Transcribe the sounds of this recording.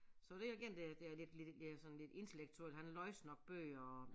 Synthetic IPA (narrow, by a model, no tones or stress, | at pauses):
sɒ̽d̥e̝jɑɡ̥eɐ̰nd̥ed̥e̝æled̥led̥esɒ̽n̩le̝d̥e̝nt͡sʰe̝leɡ̥̚t͡sʰuel̰d̥hænlɒ̽ɪsnɒ̽ɡ̥̚b̥ø̰ːɒ